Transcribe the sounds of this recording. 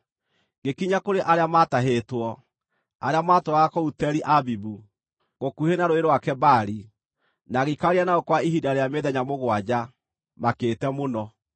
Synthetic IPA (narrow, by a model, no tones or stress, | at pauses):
ɡekiɲakoɾeʔaɾeamataɦeːtwɔ | aɾeamaːtoaakɔutɛɾiʔabibu | ɣokuhenaɾoeɾwakɛbaɾi | naɣikaɾianaokwaiɦidaɾejameðɛɲamoɣwad͡ʑa | makeːtɛmonɔ